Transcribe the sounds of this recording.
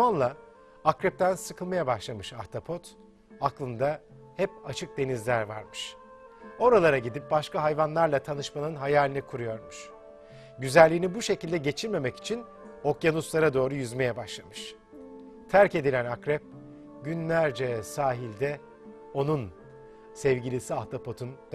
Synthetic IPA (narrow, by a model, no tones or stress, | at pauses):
anlˠaː | kɾɛp̚t̪ʰænsɯkʰɯlˠmajabaʃlˠamɯʃaft̪ʰapʰo̞t̪ | aklˠɯnd̪a | hɛpat͡ʃʰɯk̚d̪e̞nizlʲæɾva̰ɾmɯʃ | o̞ɾalˠaɾaɟid̪ip̚baʃkaɦajvanlˠaɾlˠat̪ʰanɯʃmanɯnɦajaːlʲinikʰuɾujo̞ɾmuʃ | ɟyzælʲːiːnibuʃe̞cilʲd̪ɛɟe̞t͡ʃʰiɾme̞mɛci̥t͡ʃʰin | o̞kjanuslˠaɾad̪o̞ːɾujyzme̞jɛbaʃlˠamɯʃ | t̪ʰæɾce̞d̪ilʲænakɾɛp̚ | ɟynlʲæɾd͡ʒɛsaːɦilʲd̪ɛ | o̞nun | sɛvɟilʲisiaft̪ʰapʰo̞t̪ʰund̪̥